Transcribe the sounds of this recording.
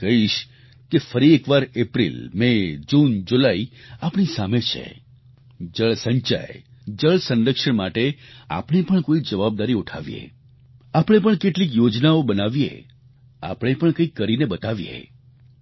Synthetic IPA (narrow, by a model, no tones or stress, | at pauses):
kəɦiʃ | kefəɾiekʋaɾepɾḭlmẽd͡ʒund͡ʒulaiapɽ̃isamet͡ʃʰḛ | d͡ʒəɭsəɲt͡ʃa̰ed͡ʒəɭsənɾəkʂəɳmaʈea̰pɽ̃ipəɳkoid͡ʒəʋab̚d̪aɾiuʈʰa̰ʋḭjḛ | apɽ̃epəɳkeʈlik̬jod͡ʒnaobənaʋijḛ | a̰pɽ̃epəɳkə̃ikːəɾinebət̪aʋijḛ